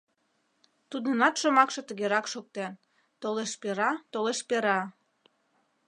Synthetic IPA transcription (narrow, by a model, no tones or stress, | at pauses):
t̪ud̪ənɑt̪ʃomɑkʃɤ̆t̪əɣeɾɑkʃok̚t̪en | t̪oleʃpeɾɑt̪oleʃpeɾɑ